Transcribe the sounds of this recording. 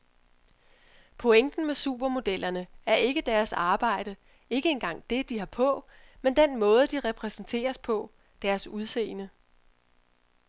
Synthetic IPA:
pʰoeŋ̰d̥n̩mesṵb̥ɐmo̝d̥el̰ɐnəæɐʔe̝ɡ̥əd̥æɐsɑ̈ːb̥ɑ̈ɪ̰ɾ̥ə | e̝ɡ̥əe̝nɡ̥ɑ̈ŋ̰d̥e̝d̥iɦɑ̈pʰɔ̽mend̥enmɔ̽ːð̞ˠd̥iʁɛpʰʁɛsn̩t͡sʰe̝̰ːɐspʰɒ̽ | d̥æɐsuð̞ˠsḛːnə

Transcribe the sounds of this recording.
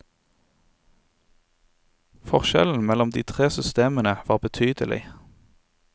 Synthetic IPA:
fɔʁʃɛ̰ln̩mɛlɔmd̪iːt̪ʰʁeːsʏst̪eːmənəʋɑːʁbət̪ʰyːd̪əlʔɪ̰

